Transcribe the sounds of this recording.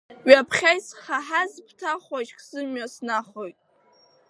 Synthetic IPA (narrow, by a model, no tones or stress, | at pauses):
ɥapʰχʲajsχaħazpʰtʰaχaʒχzɨmɥasnaχojtʼ